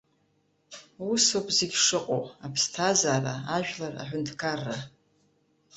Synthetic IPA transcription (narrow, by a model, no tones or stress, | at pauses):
usopʰʼzeɡʲʂɨqʼo̰apʰstʰazaːɾaaʒᶣlara̰ħʷᶣʊntʰkʰarːa